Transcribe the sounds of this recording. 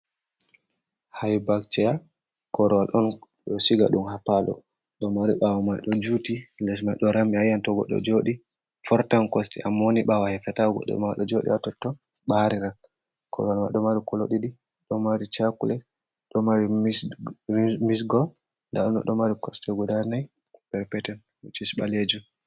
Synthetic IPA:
hajbakt͡ʃɛja | kɔɾɔwalʔɔn | ɗɔsiɡa̰ɗumhapalɔ̰ | ɗɔmaɾiɓawɔmajɗɔd͡ʒutilɛs̬majɗɔɾamiajantɔɡɔ̰ɗɔ̰d͡ʒoɗi | fɔɾtankɔstɛ̰ʔamːoniɓawahɛfɛtaɡɔ̰ɗɔ̰maɗɔd͡ʒoɗḭatɔtːɔ | ɓaɾiɾal | kʰɔ̰ɾɔwalma̰jɗɔmaɾikɔlo̰ɗiɗi | ɗɔmaɾit͡ʃakulɛ | ɗɔmaɾi | misɡɔl | nda̰ɗɔnɔ̰ɗɔmaɾikɔstɛɡɔdaɾnaj | pɛɾpɛtɛn | wut͡ʃisɓaled͡ʒu

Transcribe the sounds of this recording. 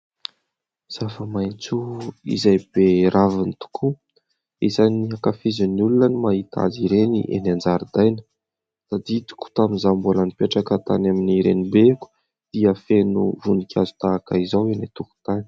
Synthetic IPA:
z̥afəmajnt͡suḭzajbeɾʔavinit̪u̥kʰu | izaniakafizinulunənimaɦit̪a̰ziɾenḭʔḛnand͡zaɾid̪ajnə̥ | sad̪it̪u̥ku̥t̪aminzambolanipaʈ͡ʂakət̪a̰naminiɾenibeku̥ | d̪̥iəfenṵvunikʲʰazu̥t̪aːkaizawenit̪uku̥t̪ani̥

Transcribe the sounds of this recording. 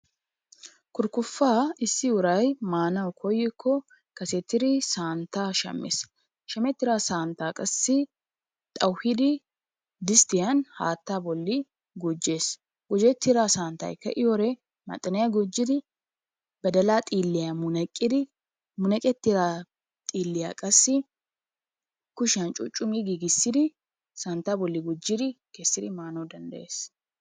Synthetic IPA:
kʊɾkʊfːaːɪsːɪʊɾɐjmaːnɐwkʰɔjːɪkʰːɔ | kɐsɛt̪ːɪɾɪsaːnt̪ːaːʃɐ̰mːḛːs | ʃɐmɛt̪ːɪɾaːsaːnt̪aːkʼɐsːɪ | t̪ʼɐwhɪd̪ɪ | d̪ɪst̪ɪjɐnha̰ːt̪ːaːbɔlːɪ | ɡʊd͡ʒːe̞ːs | ɡɔd͡ʒɛt̪ːɪɾaːsaːnt̪ɐ̰ːjkɐ̰ʔɪjɔɾɛ | mɐ̰t̪ʼːɐnɛjaɡɔd͡ʒːɪd̪ɪ | bɐd̪ɐlaːt̪ʼiːlːɪjamʊnɐkʼːɪd̪ɪ | mʊnɐkʼɛt̪ːɪɾaː | t̪ʼiːlːɪjakʼɐsːɪ | kʊʃant͡ʃʼʊt͡ʃʼːʊmiːɡiɡɪsːɪd̪ɪ | saːnt̪ːaːbɔlːɪɡɔd͡ʒːɪd̪ɪkesːɪd̪ɪmaːnod̪ɐnd̪ɐ̰ʔe̞ːs

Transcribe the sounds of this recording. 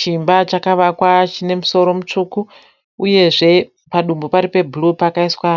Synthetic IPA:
t͡ʃimbat͡ʃakaʋakwat͡ʃine̞muso̞ɾo̞mut͡ʂuku | uje̞ʐe̞ | paɗumbopaɾipe̞bʱlupakaiswa

